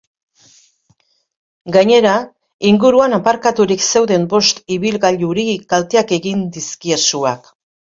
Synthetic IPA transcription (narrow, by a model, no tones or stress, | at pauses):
ɡaɲe̞ɾa | iŋɡuɾuanapaɾkat̪uɾikse̞wðe̞mbo̞st̪iβilɣaʎuɾikalt̪eake̞ɣind̪iskiesuak